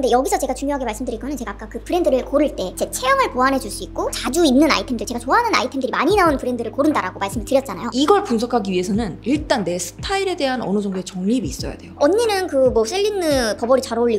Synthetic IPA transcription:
nde̞jʌɡisʰʌt͡ɕe̞ɡat͡ɕuŋjoɦaɡe̞maɭs͈ɯmdɯɾik͈ʌnɯnt͡ɕeɡaːk͈akɯpʰɯɾe̞ndɯɾɯɭkoɾɯɭt͈e̞t͡ɕe̞t͡ɕʰe̞jʌŋɯɭpoanɦe̞d͡ʑuɭs͈uik̚k͈ot͡ɕad͡ʑuinnːɯna̰itʰemdɯɭt͡ɕe̞ɡat͡ɕoɦanɯna̰itʰe̞mdɯɾimaɲinaonpɯɾe̞ndɯɾɯɭkoɾɯndaɾaɡomaɭs͈ɯmɯɭtɯɾjʌt̚t͡ɕ͈anajoiɡʌɭpunsʰʌkʰaɡiɥiɦe̞sʰʌnɯniɭt͈anːe̞sʰɯ̥tʰaiɾe̞de̞ɦanʌ̰nɯd͡ʑʌŋdoe̞t͡ɕʌŋɲibiːs͈ʌja̰de̞oʌɲːinɯnkɯmwʌs͈ʰeʎːinɯpʌbʌɾit͡ɕaɾoɭːi

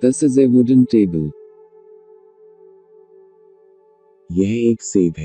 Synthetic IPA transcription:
d̪̥ɪsɪzewʊdə̃nteːbəl | jɛɦeːkseːd̪ɛ

